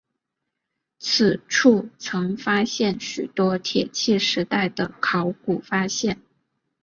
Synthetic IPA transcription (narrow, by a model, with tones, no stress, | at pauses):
t͡s̩ʰ˨˩ʈ͡ʂʰu˥˩t͡sʰɤ˧˥ŋfa˥ɕjɛ˥˩nɕy˨˩t̪wɔ˥t̪ʰjɛ˨˩t͡ɕʰi˥˩ʂɻ̩˧˥t̪a˥˩ɪd̪ə˩kʰɑ˧˥ʊku˨˩fa˥ɕjɛ˥˩n